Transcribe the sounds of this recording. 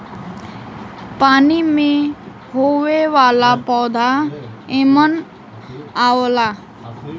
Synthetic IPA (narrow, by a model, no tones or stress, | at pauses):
panimẽ | ɦoweʋalapɔd̪ʱaemən | awla